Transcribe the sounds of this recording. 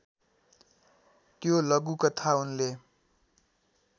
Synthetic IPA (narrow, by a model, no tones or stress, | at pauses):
t̪jolʌɡukʌt̪ʰaunle